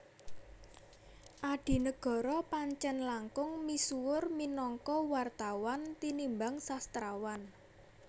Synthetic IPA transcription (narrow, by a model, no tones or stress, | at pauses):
ʔaɖ̥i̤nəɡ̥ɔ̤ɾɔpaɲt͡ʃɛnlaŋkʊŋmisuwʊrminɔŋkɔwart̪awant̪inimbaŋsast̪ɾawan